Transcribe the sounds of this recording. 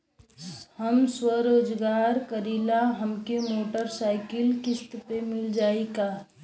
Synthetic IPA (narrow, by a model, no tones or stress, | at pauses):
həmswəɾoːd͡ʒɡaːɾkəɾilaɦəmkemoːʈəɾsaːɪkɪlkɪst̪pemɪld͡ʒaːikaː